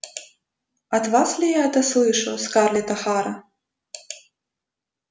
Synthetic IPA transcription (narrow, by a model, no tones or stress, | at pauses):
ɐd̪vaslʲijaɦɛt̪ɐslˠɨʂɐwskarlʲit̪ɐxaɾɐ